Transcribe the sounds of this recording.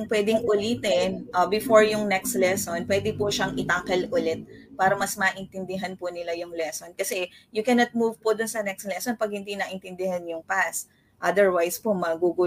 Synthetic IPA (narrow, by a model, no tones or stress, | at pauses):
ŋpwɛd̪ɪŋʔʊlit̪ɛnʔbɪfoɹjʊŋnɛkst̪lɛsonpwɛd̪ɪpʊʃɐŋʔɪt̪aːkɐlʔʊlɛt̪̚paːɾɐmɐsmɐʔɪnt̪ɪnd̪ɪɦanpʊnɪlajʊŋlɛsonkɐsɛjʊkɛnɐt̪̚muvpod̪ʊnsɐnɛkst̪lɛsonpɐɡ̚hɪnd̪inaːʔɪnt̪ɪnd̪ɪhanjʊŋpas | ʔɐd̪ɛɹwajspomɐɡuɡu